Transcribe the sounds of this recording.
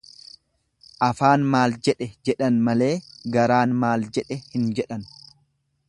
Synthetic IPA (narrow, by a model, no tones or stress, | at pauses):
ʔɐfaːnmaːld͡ʒɛᶑɛd͡ʒɛᶑɐnmɐle̞ːɡɐɾaːnmaːld͡ʒɛᶑɛhɪnd͡ʒɛᶑɐn